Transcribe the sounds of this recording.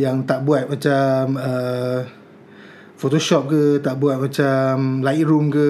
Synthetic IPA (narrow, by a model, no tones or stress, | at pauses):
jaŋt̪aʔbuat̪̚mat͡ʃamə | fot̪oʃɔp̚kət̪aʔbuat̪̚mat͡ʃamlait̚ɾumkə